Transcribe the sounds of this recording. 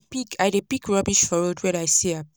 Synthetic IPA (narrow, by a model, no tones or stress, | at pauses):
pikʰajdepikɹɔbiʃfɔɹodwɛɾajsea